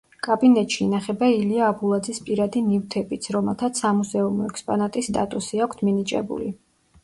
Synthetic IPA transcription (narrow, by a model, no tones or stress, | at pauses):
kʼabinɛt̪ʼʃiːnaχɛbailiaːbulˠad̪zispʼiɾad̪inivt̪ʰɛbit̪sʰɾɔmɛlˠt̪ʰat̪sʰamuzɛumɔɛkspʼɔnat̪ʼist̪ʼa̰t̪ʼusiakʷʰt̪ʰminit͡ʃʼɛ̰bṵlḭ